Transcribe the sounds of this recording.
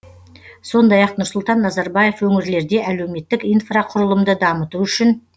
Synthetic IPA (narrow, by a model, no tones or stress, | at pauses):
so̞nd̪ɑjɑqnʊɾsʊlˠt̪ɑnːɑzɑɾbɑje̞fwɵŋɪɾle̞ɾd̪e̞ʔæle̞wme̞t̪ːɪkijnfraqʰʊɾəlˠəmd̪əd̪ɑmət̪uʏʃɪn